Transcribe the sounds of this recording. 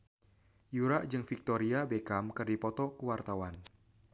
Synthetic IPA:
juɾaʔd͡ʒɨŋfik̚t̪ɔɾiabekamkɨrdipɔt̪ɔkuwart̪awan

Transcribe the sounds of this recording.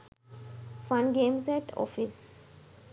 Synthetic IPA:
fʌ̃nɡẽːmsɛʈʰɔ̰ːfɪs

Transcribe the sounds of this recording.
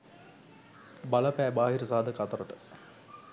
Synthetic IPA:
balɐpæːbaːɦiɾəsaɦɐd̪əkat̪ɐɾəʈə̥

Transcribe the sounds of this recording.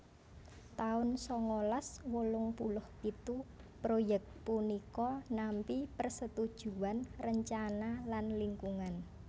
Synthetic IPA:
t̪aʊnsɔŋolaswolʊŋpulʊhkit̪u | pɾojɛk̚t̪̚punikɔnampipərsət̪ud̥ʒ̥uanrəɲt͡ʃanalanliŋkuŋan

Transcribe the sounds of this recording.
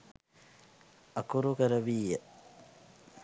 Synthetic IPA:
akuɾukəɾəʋiːjə

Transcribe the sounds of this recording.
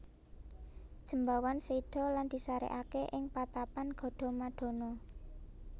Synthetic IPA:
d̥ʒ̥ə̤mbawansiɖ̪̥ɔ̤land̪̥i̤saɾḛʔakeʔɪŋpat̪apanɡ̥ɔ̤ɖ̪̥ɔ̤maɖ̥ɔ̤nɔ

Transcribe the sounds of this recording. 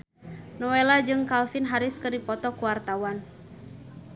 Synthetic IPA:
nɔwelad͡ʒɨŋkalfinɦaɾɪskɨrdipɔt̪ɔkuwart̪awan

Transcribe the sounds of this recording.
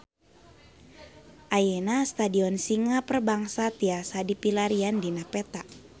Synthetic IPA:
ʔajenast̪adiɔnsiŋapərbaŋsat̪iasadipilaɾiandinapɛt̪a

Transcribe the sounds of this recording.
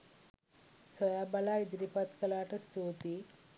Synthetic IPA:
sɐd̪aːbɐlaːid͡ʒɾipɐt̪kɐlaːʈɐst̪uːt̪i

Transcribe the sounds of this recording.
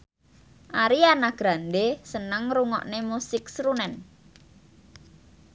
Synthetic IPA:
ʔaɾianaɡ̥ɾand̪esənəŋruŋɔ̰ʔnemusɪk̚sɾunɛn

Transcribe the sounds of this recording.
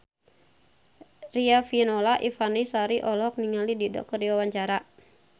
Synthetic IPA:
riafinolaʔifanisaɾiʔɔlɔk̚niŋalididɔ̰kɔrdiwawaɲt͡ʃaɾa

